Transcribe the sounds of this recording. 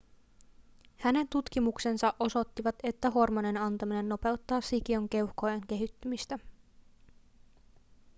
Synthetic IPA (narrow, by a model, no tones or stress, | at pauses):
hæne̞nt̪ut̪k̟imukse̞nsɑʔo̞so̞t̪ːiʋɑt̪e̞t̪ːæɦo̞rmoninɑnt̪ɑmine̞nːo̞pe̞wt̪ːɑːsik̟io̞ŋk̟e̞whkojeŋk̟e̞ɦyt̪ːymist̪æ